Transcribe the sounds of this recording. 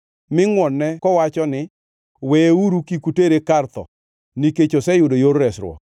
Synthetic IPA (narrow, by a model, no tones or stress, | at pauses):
mɪŋwɔnːɛkɔwat͡ʃɔnɪ | weeuɾukikuteɾekart̪ɔ̰ | niket͡ʃosɛjʊdojoɾːɛsɾwɔ̰